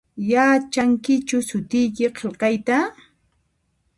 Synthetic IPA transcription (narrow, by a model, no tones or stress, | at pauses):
jaːt͡ʃaŋkɪt͡ʃʊsʊt̪ɪjkɪqʰelqɑjt̪a